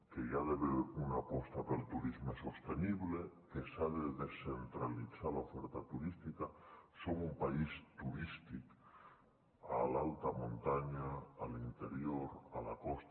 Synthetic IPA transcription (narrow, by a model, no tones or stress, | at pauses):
keʎað̞eβeunapɔst̪apelt̪uɾizmosost̪eniβlekesaðeðesent̪ɾaliθalaofɛɾt̪at̪uɾist̪ikasoŋumpaist̪uɾist̪ik | a̰lalt̪amõnt̪aɲaːlint̪eɾjoɾa̰la̰kɔst̪